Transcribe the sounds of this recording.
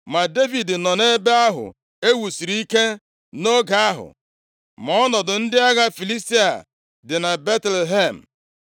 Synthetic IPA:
ma˨de˦vi˨dnɔ˨ne˦be˦a˦ɦʊ̰˨ | e˦wu˨si˨ɾi˦ke˦ | no˦ɡa˨a˦ɦʊ̰˨ | mɔ˦nɔ˨dʊ˨n̩˦dɪ˦a˦ɣa˦fi˨li˦sti˦a̰˨ | dɪ˨na˨be˦tle˨ɦe˦˨m̩˨

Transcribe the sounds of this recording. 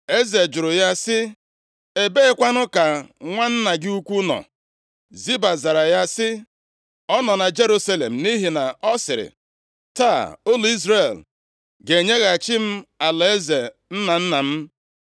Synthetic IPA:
e˦ze˨d͡ʒʊ˨ɾʊ˨ja˦sɪ˦ | e˦be˦kʷa˦nʊ˦ka˨ŋʷa˦n̩˦na˨ɡɪ˦u˦kʷu˦nɔ̰˨ | zi˦ba˨za˨ɾa˨ja˦sɪ˦ | ɔ˦nɔ˨na˨d͡ʒe˦ɾu˦sa˦le˨m̩˨ni˦ɦi˨na˨ɔ˦sɪ˨ɾɪ̰˨ | ta˦˨o˦lo˨i˦zɾe˨l | ɡe˨ɲe˦ɣa˨t͡ʃɪ˦m̩˦a˨le˦ze˨ | n̩˦na˨n̩˦na˨m̩˦

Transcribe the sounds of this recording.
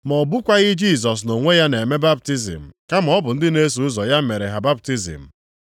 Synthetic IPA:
mɔ˨bu˦kʷa˦ɣɪ˦d͡ʒi˦˨s̬ɔ˨s̬no˨ŋʷe˦ja˦ne˨me˦ba˦p̚ti˦zḭ˨m̩˨ka˦m̩˨ɔ˦bʊ˨n̩˦dɪ˦ne˦s̬u˨ʊ˦zɔ˨ja˦m̩˦me˨ɾe˨ɦa˨ba˦p̚ti˦zḭ˨m̩˨

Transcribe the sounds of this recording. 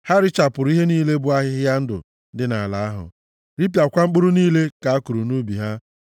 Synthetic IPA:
ha˦ɾɪ˦t͡ʃa˨pʊ˨ɾi˦ɦe˦niː˦le˦bʊ˦a˦ɦɪ˦ɦɪ˦ja˦n̩˦dʊ̰˨˦ | dɪ˦na˨a˨la˨a˦ɦʊ̰˨ | ɾi˦p̬ja˨kʷa˦ŋ͡m̩˦k͡pʊ˦ɾu˦niː˦le˦ka˨a˦ku˨ɾu˨nu˦bi˨ɦa˦

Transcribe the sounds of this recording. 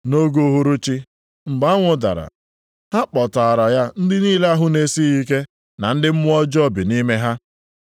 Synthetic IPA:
no˦ɡo˦ɦu˦ɾu˦t͡ʃi˦ | ŋ͡m̩˨ɡ͡ba˦ŋʷʊ˦da̰˨ɾa̰˨ | ha˦k͡pɔ˨ta˨a˨ɾa˨ja˦n̩˦dɪ˦niː˦le˦a˦ɦʊ˦ne˦si˦i˦k̬e˦ | na˨n̩˦dɪ˦m̩˦mʊ˦ɔ˦d͡ʒɔ˦bi˨ni˦me˦ɦa˦

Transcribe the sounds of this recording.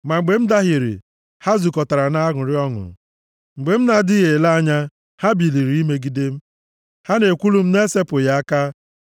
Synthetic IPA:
ma˨ŋ͡m̩˨ɡ͡be˨m̩˦da˦ɦɪ˨ɾɪ̰˨ | ha˦zu˨kɔ˨ta˨ɾa˨na˦ɦʊ˨ɾɪ˦ɔ˦ŋʊ̰˨ | ŋ͡m̩˨ɡ͡be˨m̩˦na˨dɪ˦ɣe˨la˦a˦ɲa˦ | ha˦bi˨li˨ɾi˨i˦me˦ɡi˦de˦m̩˦ | ha˦ne˨kʷu˦lu˦m̩˦ne˦se˦pʊ˨ja˦a˦ka˦

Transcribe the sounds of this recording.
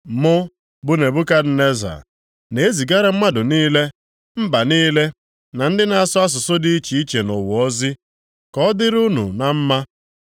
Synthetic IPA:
mʊ˦ | bʊ˦ne˨bʊ˦ka˦dɪ˨ne˦za̰˨ | ne˨e˦zi˨ɡa˦ɾa˦m̩˦ma˦dʊ˨niː˦le˦ | m̩˦ba˨niː˦le˦ | na˨n̩˦dɪ˦na˨a˦sʊ˦a˦s̬ʊ˨sʊ˦dɪ˦i˦t͡ʃi˨i˦t͡ʃe˨nɔ˨wʊ˨ɔ˦zi˦ | kɔ˦dɪ˦ɾu˦nṵ˨na˨m̩˦ma˦

